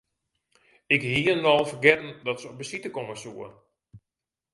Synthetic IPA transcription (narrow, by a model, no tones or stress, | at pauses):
ɪkɦiːnɔlˠfərɡɛtn̩dɔtsəɔp̚bəsitəkoməsuə